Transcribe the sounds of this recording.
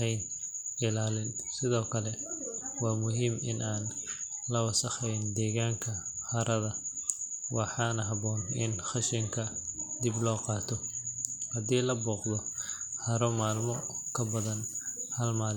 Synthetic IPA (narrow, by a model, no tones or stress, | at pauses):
ɛjnɪlaːlɪnsɪðɔːkʰɐlɛwɑːmʊɦiːmɪ̰nʔaːnlɐwɐsɐχɛjnd̪ɛːɣaːŋkʰɐhɐɾɐðɐ | wɑħɑːnɐɦɐβɔːnɪnχɑʃɪŋkʰɐd̪ɪblɔːqɑːt̪ʰɔhɐd̪iːlɐbuːqðɔhɐɾɔmaːlmɔkʰɐbɐðɐnhɐlmaːl